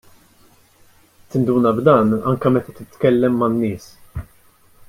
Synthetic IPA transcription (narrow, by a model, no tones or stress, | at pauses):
t̪ɪnd̪uːnɐbd̪ɐːnɐ̰ŋkɐmɛt̪ɐt̪ɪt̪kɛlːɛmːɐnːɪːs